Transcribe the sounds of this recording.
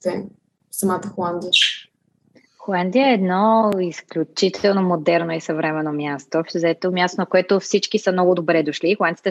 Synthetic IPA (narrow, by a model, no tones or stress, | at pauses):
zɛ | sɐmat̪əxolˠand̪ijə | xolˠand̪iəɛd̪nɔisklʲut͡ʃit̪ɛlˠnomod̪ɛɾnoisɐvɾɛmɛnomjast̪ofzɛt̪omʲjast̪onɐkoɛt̪ʊfsit͡ʃkisəmnɔɡʊd̪obɾɛd̪oʃliːxolˠansit̪ɛ